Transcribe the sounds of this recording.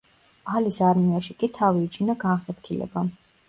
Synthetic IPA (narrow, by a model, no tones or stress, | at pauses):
alisaɾmiaʃikʼit̪ʰaviːt͡ʃʰinaɡanχɛt̪kʰilɛ̰ba